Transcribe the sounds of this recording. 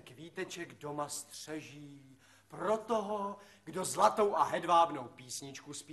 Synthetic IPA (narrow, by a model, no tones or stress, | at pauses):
kviːt̪ɛt͡ʃɛɡdo̞mast̪r̥ɛʒiː | pɾo̞t̪oɦo | ɡdo̞zlat̪o̞wʔaɦɛdvaːbno̞wpiːsɲɪt͡ʃkusp